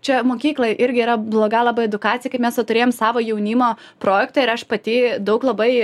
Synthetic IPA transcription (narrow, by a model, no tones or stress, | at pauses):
t͡ʃʲɛmoːkʲiːklˠojʔɪɾʲɡʲɪiɾɐblˠoːɡɐlˠɑbɐɪɛd̪ʊkɑːt͡sʲɪjɛkɐɪpmʲɛst̪ot̪ʊɾʲeːjomsɑːʋoːjɛʊnʲiːmoː | pɾoːjɛkt̪ɑɪɾɐʃpɐt̪ʲiːd̪ɐʊklˠɐbɐɪ